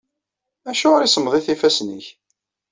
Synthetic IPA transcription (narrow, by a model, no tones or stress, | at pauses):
æʃuʁɾisəmðˤiθifæsnə̰ç